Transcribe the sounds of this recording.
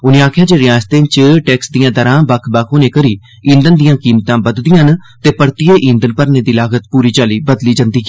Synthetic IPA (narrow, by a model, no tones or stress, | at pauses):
ʊneːaːkʰjãːd͡ʒeːɾɪjaːd͡ʒt̪ẽːt͡ʃəʈɛːksd̪ijãːd̪əɾãːbəkʰbəkʰoːnẽːkəɾiː | ĩːnd̪ənd̪ijãːkiːmt̪ãːbəd̪d̪ɪjãnt̪eːpəɽt̪ɪjeːʔĩːnd̪ənpəɾneːd̪iːlaːɡət̪puːɾiːt͡ʃaːliːbəd̪liːd͡ʒə̃nd̪iː